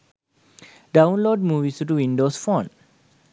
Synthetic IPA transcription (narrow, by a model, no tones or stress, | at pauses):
ɖãʊ̃nloːɖ̚muːʋisuʈuʋĩnɖoːsfɔ̃n